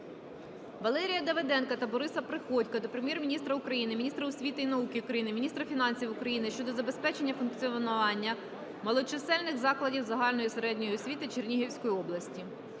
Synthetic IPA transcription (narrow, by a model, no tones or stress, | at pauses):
ʋɐlˠɛɾʲijɐd̪ɐʋed̪ɛnkɐt̪ɐbɔɾɪsɐpɾɪxɔtʲkɐd̪ɔpɾemʲjɛrmʲinʲist̪ɾɐʊkɾɐjinɪmʲnʲist̪ɾɐʊsʲʋʲit̪ɪinɐukɪʊukɾɐjinɪmʲinʲist̪ɾɐfʲin̪ɑnʲsʲiwʊkɾɐjinɪʃt͡ʃɔd̪ɔzɐbe̞spɛt͡ʃenʲːɐfʊnkt͡sʲiɔnʊʋɑnʲːɐ | mɐlˠɔt͡ʃɪsɛlʲnɪxzɑklˠɐdʲiwzɐɦɑlʲnɔjiseɾɛdʲnʲɔjsʲʋʲit̪ɪt͡ʃernʲiɦiwsʲkɔjiɔblˠɐsʲtʲi